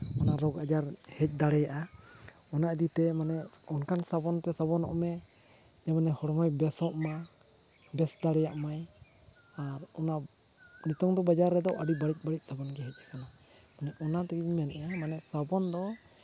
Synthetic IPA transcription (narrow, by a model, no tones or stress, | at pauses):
ɔnaɾɔɡad͡ʒaɾhɛc̚ˀd̪aɽɛjaʔa | ɔnad̪it̪ɛmanɛ | ɔnkansabɔnt̪ɛsabɔnɔ̰ʔmɛ | jamanɛhɔɽɔmɔjbɛsɔʔma | bɛsd̪aɽɛjaʔmaj | aɾɔna | nit̪ɔŋd̪ɔbad͡ʒaɾːɛd̪ɔʔaɽibaɽic̚ˀbaɽic̚ˀsabɔnɡɛɦɛc̚ˀɛkanɔ | manɛʔɔnat̪ɛkiimɛnʔɛamanɛsabɔnd̪ɔ